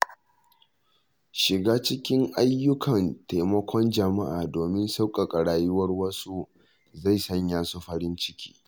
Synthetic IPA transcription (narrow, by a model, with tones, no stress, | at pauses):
ʃɪ˨ɡaː˦t͡ʃɪ˦kʲɪ˦ŋʔa˦jːʊ˦kʰɐ˨nta˨jmɐ˦kʷʰɔ˦nd͡ʒɐ˨ma˦ʔa̰ː˨doː˨mɪ˦nsa˦wkʼa˨kʼɐ˨ɽaː˨jʊ˦wɐ˦rwɐ˦su˦ | za˦˨jsɐ˦ɲjaː˦su˦ɸɐ˦ɽɪ˦nt͡ʃɪ˦kʲʰi̥̰ː˦